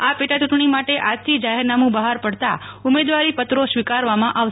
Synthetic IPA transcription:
apeʈat͡ʃuʈɳimaʈeʔad͡ʒt̪ʰid͡ʒaɦeɾnamũbəɦaɾpəɽt̪a | ʊmed̪ʋaɾipət̪ɾoʃʋikaɾʋamãʔaʋʃ

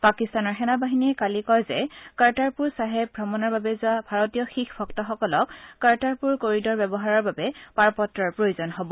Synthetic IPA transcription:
pakistanɔɹxɛnabaɦiniɛkalikɔjzɛkaɹtaɹpuɹsaɦɛb̚bʱɹɔmɔnɔɹbabɛzʊabʱaɹotijɔxixbʱɔktɔxɔkɔlɔkːaɹtaɹpuɹkoɹidɔɹbɛbɔɦaɹɔɹbabɛpaɹpɔtɹɔɹpɹojozɔnɦɔbɔ

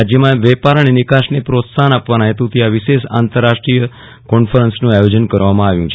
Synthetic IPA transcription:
ad͡ʒjəmãʋɛpaɾəɳenikaʃnepɾot̪sanapʋanaɦet̪ũt̪iaʋiʃeʃa̰nt̪əɾːaʃʈɾijə | kɔnfəɾənsnũajod͡ʒənkəɾʋamãaʋjũt͡ʃʰ

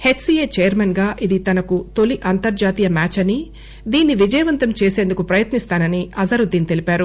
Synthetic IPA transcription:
he̞ʈsijeːt͡ʃɛjɐɾmɐnɡaːʔid̪it̪ɐnɐkut̪o̞liʔɐnt̪ɐɾd͡ʒaːt̪iːjɐmaːt͡ʃɐni | d̪iːnːiʋid͡ʒɐjɐʋɐnt̪ɐmt͡ʃe̞ːse̞ːnd̪ukupɾɐjɐt̪nist̪aːnɐniɐzɐɾud̪iːnit̪e̞lipaːɾu

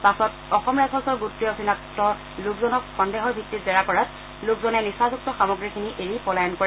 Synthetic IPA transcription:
pasɔt | ɔxɔmɹasʰɔsɔɹɡutɹijɔsinaktɔ | lʊkzɔnɔkxɔndeɦɔɹbʱitːitzɛɹakɔɹat | lʊkzɔnɛnisazuk̚tɔxamɔɡɹikʰiniʔeɹipɔlajɔnkɔɹɛ

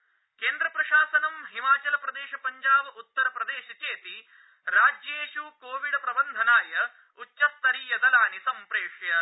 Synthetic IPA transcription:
keːnd̪ɾɐpɾɐʃaːsɐnɐmɦimaːt͡ʃɐlɐpɾɐd̪eːʃɐpɐɲd͡ʒaːbut̪ːɐɾɐpɾɐd̪eːʃɐt͡ʃeːt̪i | ɾaːd͡ʒjeːʃukoːʋiɽɐpɾɐbɐnd̪ʱɐnaːjɐ | utːʃɐst̪ɐɾiːjɐd̪ɐlaːnisɐmpɾeːʂjɐ

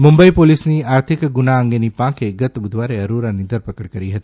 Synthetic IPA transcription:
mũmbəipolisniaːɾt̪ʰɪkɡunaə̃ŋɡenipãkeɡət̪bʊd̪ʱʋaɾeəɾuɾanid̪ʱəɾpəkəɽkəɾiɦət̪i̥

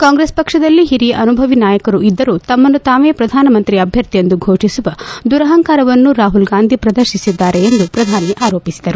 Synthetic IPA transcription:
kaːŋɡɾespɐkʂɐd̪ɐlːiɦiɾijɐʔɐnubʱɐʋinaːjɐkɐɾuid̪ːɐɾuːt̪ɐmːɐnːut̪aːʋeːpɾɐd̪ʱaːnɐmɐnt̪ɾiɐbʱjɐɾt̪ijend̪uɡʱoːʂisuʋɐd̪uɾɐɦɐŋkaːɾɐʋɐnːuɾaːɦulɡaːnd̪ʱipɾɐd̪ɐɾʃisid̪ːaːɾe̞ːnd̪upɾɐd̪ʱaːniʔaːɾo̞ːpisid̪ɐɾu

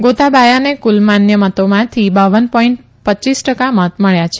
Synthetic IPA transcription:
ɡot̪abajanekulmanjəmət̪omãt̪ʰibaʋənpɔiɳʈ | pət͡ʃisʈəkamət̪məɭjat͡ʃʰe̥

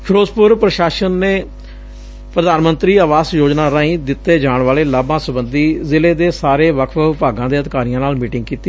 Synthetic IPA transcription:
pʰɪɾoːzpʊɾpɾəʃaːʃənːeː | pɾəd̪aːnmə̃nt̪ɾiːaːʋaːsjoːd͡ʒnaːɾaːĩːd̪ɪt̪ːeːd͡ʒaːɳʋaːleːlaːbãːsʊbənd̪iːzɪleːd̪eːsaːɾeːʋəkʰʋəɪpaːɡãːd̪eːəd̪ɪkaːɾiːãːnaːlmiːʈɪ̃ŋɡ̚kiːt̪i

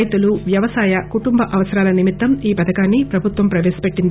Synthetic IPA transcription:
jt̪uluʋjɐʋɐsaːjɐkuʈumbɐʔɐʋɐsɐɾaːlɐnimit̪ːɐmiːpɐd̪ɐkaːnːipɾɐbʱut̪ʋɐmpɾɐʋeːsɐ̥pe̞ʈːind̪i

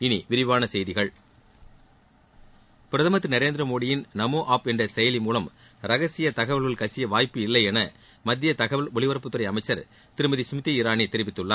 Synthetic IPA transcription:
ɪniʋɪɾɪʋaːnɐsɛjðɪɣɐɭ | pɪɾɐðɐmɐt̪ːɯnɐɾeːnd̪ɾɐmoːɽɪjɪnnɐmoːʔaːpɛndrɐsɛjɐlɪmuːlɐm | ɾɐɣɐsɪjɐt̪ɐɣɐʋɐɭɣɐɭkɐsɪjɐʋaːjpːɯɪlːɐɪɛnɐ | mɐd̪ːɪjɐt̪ɐɣɐʋɐɭɔɭɪʋɐɾɐpːɯt̪ːɯɾɐɪɐmɐɪt͡ʃːɐɾ | t̪ɪɾɯmɐðisʊmɪt̪ːiɪɾaːnet̪ːɪɾɪʋɪt̪ːɯɭːaː

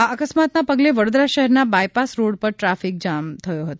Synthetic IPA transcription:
aəkəsmat̪napəɡleʋəɽod̪ɾaʃəɦɛɾnabajpasɾoɽpəɾʈɾafik̚d͡ʒamt̪ʰəjoɦət̪o

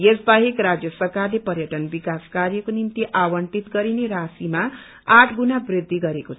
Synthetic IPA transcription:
esbaɦikrad͡zjʌsʌrkarlepʌɾjʌʈʌnbikaskaɾjʌkonimt̪iʔawʌɳʈit̪ɡʌɾineɾasima | aʈʰɡunabrid̪ʱːiɡʌɾekot͡sʰ

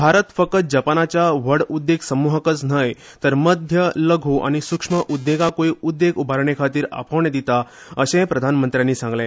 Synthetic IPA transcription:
bʱaɾət̪fəkət̪̚d͡ʑapanat͡ɕjaʋəɽud̪ːeɡsəmuɦəkət͡snəj | t̪əɾməd̪ʱjələɡʱuʔa̰ɽ̃isukʂməʔud̪ːeɡakoiud̪ːeɡubʱaɾɳekʰat̪iːɾa̰pʰəʋɳed̪it̪a | əɕẽpɾəd̪ʱanmənt̪ɾjanːiːsãŋɡlẽ

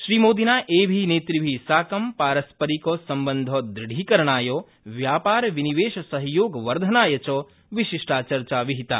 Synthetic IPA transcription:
ʃɾiːmoːd̪inaːʔeːbʱineːt̪ɾibʱisaːkɐmpaːɾɐspɐɾikosɐmbənd̪ʱod̪ɾɪɽʱikɐɾɳ̃aːjoː | ʋjaːpaːɾʋiniʋeːʃɐsɐɦjoːɡʋɐɾd̪ʱɐnaːjɐt͡ʃɔ | ʋiʃiʂʈaːt͡ʃɐɾt͡ʃaːʋiɦit̪a̰ː

